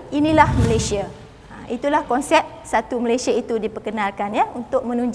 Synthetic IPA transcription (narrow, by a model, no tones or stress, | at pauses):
inĩlahməlesia | ait̪ulahkɔnsɛp̚sat̪uməlejsiait̪udipəkənalkanjaunt̪ʊk̚mə̃nũɲd͡ʒ